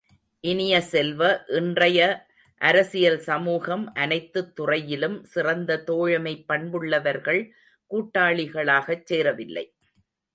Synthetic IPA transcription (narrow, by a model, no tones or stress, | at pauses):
ʔɪnɪjɐsɛlʋɐʔɪndrɐjɐ | ʔɐɾɐsɪjɐlsɐmuːɣɐmʔɐnɐɪt̪ːɯt̪ːʊrɐjɪlɯmsɪrɐnd̪ɐt̪oːɻɐmɐɪpːɐɳbɯɭːɐʋɐɾɣɐɭ | kuːʈːaːɭɪɣɐɭaːɣɐt͡ʃːeːɾɐʋɪlːɐ̰ɪ